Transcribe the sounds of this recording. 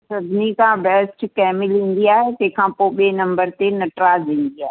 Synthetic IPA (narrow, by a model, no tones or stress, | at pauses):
sɐbʱɪnikʰãbɛːsʈkɛːmɪlɦĩːn̆d̪iaːɦet̪ɐ̃ɦkʰãːpoːɓeːnɐ̃mbəɾt̪enɐʈɾaːzĩːn̆d̪iaːɦe